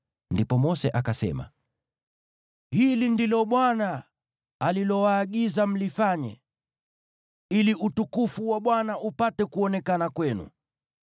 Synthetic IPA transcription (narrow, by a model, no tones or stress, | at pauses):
ndipɔmɔsɛʔakasɛ̰ma̰ | hilindilɔɓwana | alilɔwaːɠizam̩lifaɲɛ̰ | iliʔutukufuwaɓwanaʔupatɛkuɔnɛkanakwɛnṵ